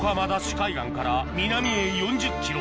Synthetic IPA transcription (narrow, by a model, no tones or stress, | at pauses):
kamad̪aɕi̥kaiɡaŋkaɾamʲinamʲiejond͡ʑɯk̚kʲʰːiɾo